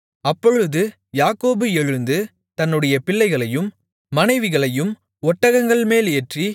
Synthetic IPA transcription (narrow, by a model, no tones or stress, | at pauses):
ɐpːɔɻɯðɯ | jaːkoːbɯɛɻɯnd̪ɯ | t̪ɐnːɯɽɐjɐpɪɭːɐɪɣɐɭɐjɯmː | ɐnɐɪʋɪɣɐɭɐjɯm | ɔʈːɐɣɐŋɡɐɭmeːleːʈri